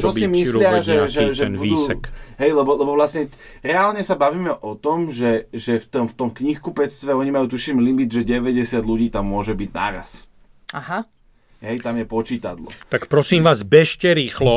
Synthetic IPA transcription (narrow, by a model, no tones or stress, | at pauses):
t͡ʃɔsimislɪaʒɛʒɛʒɛbud̪uːɦɛjlɛbɔlɛbɔʋlasɲɛ | ɾɛaːlɲɛsabaʋiːmɛʔɔt̪ɔmʒɛʒɛft̪ɔmft̪ɔmkɲixkupɛt͡st̪ʋɛɔɲimajuːt̪uʃimlimid̪ʒɛɟɛʋɛɟɛsɪad̪luɟiːt̪amːʊɔʒɛbiɟna̰ːɾa̰s | aɦa | ɦɛjt̪amjɛpɔt͡ʃiːt̪a̰d̪lɔ̰t̪akpɾɔsiːmʋaːzbɛʃcɛɾiːxlɔ